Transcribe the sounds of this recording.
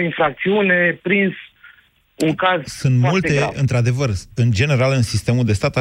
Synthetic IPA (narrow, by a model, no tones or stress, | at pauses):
infɾak̚t̪siunepɾins | uŋkazsɨnt̪mmult̪e̞ɨnt̪ɾad̪e̞vərɨnd͡ʒe̞ne̞ɾalɨnsist̪e̞muld̪e̞st̪at̪a